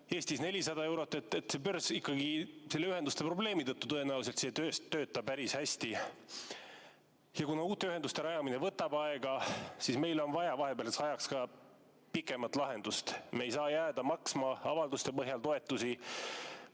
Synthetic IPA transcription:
e̞ːsʲt̪isnelʲisɑd̪ɑe̞wɾo̞t̪ːˑet̪ːˑet̪sepørsikːˑɑɡ̥iselːeyɦhe̞nd̪ust̪e̞pro̞ble̞ːmit̪ɤt̪ːut̪ɤe̞næus̬elt̪seːt̪øːst̪ːøːt̪ːɑpæɾishæsʲt̪i | jɑkunɑuːt̪ːˑe̞yɦe̞nd̪ust̪e̞ɾɑjɑmine̞vɤt̪ːˑɑbɑeɡ̥ɑsisme̞jlo̞nvɑjɑvɑɦe̞peɑlesɑjɑkskɑ | pikːˑe̞mɑt̪ˑlɑɦe̞nd̪ust̪mejsɑːjæːd̪̥ɑmɑksmɑɑvɑld̪ust̪e̞pɤɦjɑlt̪o̞e̞t̪ːˑusi

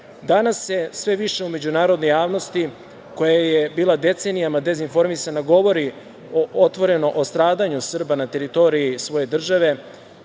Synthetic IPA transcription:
d̪anasjesʋe̞ʋiʃe̞ume̞d͡ʑunaːɾod̪no̞jaːʋno̞st̪i | ko̞jajebiːlˠad̪e̞t̪se̞nijamad̪e̞zinfo̞ɾmisanaɡo̞ʋo̞ɾi | oʔot̪ʋo̞ɾe̞no̞ʔost̪ɾaːd̪aɲusr̩banat̪e̞ɾit̪o̞ɾiisʋo̞je̞d̪r̩ʒaʋe̞

